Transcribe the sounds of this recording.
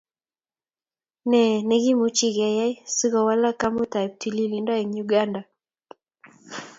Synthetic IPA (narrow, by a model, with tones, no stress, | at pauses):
nɛ˨nɛ˦ɡi˦mu˨t͡ʃi˦ɡɛ˨jɛ˦si˦ɡɔ˨wa˦la˦ka˦mo˦ta˨p̚ti˨li˦li˨ndɔ˦ɛ˨ŋju˨ɡa˦nda˨